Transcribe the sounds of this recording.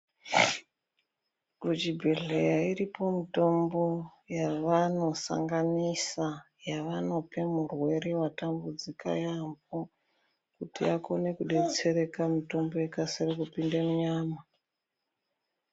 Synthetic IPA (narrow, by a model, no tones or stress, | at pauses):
kut͡ʃibʱeɮejairipo̞mito̞mbo̞jaʋano̞sa̰ŋɡanisa | jaʋano̞pʰe̞murwe̞ɾewatambud͡zika̰jambo | kutiakone̞kuɗe̞t͡se̞ɾe̞kamito̞mbo̞jekaseɾekupindemuɲaːma